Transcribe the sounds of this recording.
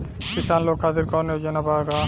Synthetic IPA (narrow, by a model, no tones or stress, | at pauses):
kisanlokʰːad̪iɾkɔned͡ʒɛnabaka